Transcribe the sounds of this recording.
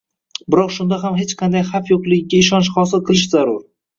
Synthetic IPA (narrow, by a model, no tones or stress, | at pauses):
bɪɾɒqʃʊnd̪aɦamɦet͡ʃqʰɑnd̪ajafjoqlˠɪɡʲɪɡʲaɪʃɒnʃχɒs̬ɪlˠqʰɨlˠɪʃzaɾʊɾ